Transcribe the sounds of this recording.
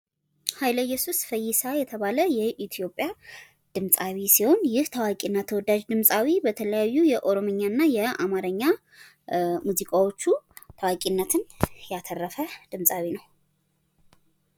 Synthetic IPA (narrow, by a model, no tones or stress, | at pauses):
hajləjːɛsusfəjːɪsajɛt̪ʰəβaləjɛʔit̪ʰijo̞pʼːja | d̪̥ɨmsʼawisiho̞njɪht̪ʰawakʼinːat̪ʰəwɔd̪ad͡ʒd̪ɨmsʼawibət̪ʰələjajːujɛʔo̞ɾo̞mɨɲːanːajɛamaɾəɲːa | muzikʼawo̞t͡ʃːut̪ʰawakʼinːət̪ʰɨnjat̪ʰərːəfəd̪̥ɨmsʼawinəw